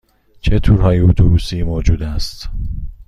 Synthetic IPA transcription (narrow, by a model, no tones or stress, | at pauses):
t͡ʃʰet̪ʰuːɾɦɒːjeot̪ʰubuːsiːmoːd͡ʒuːd̪æst̪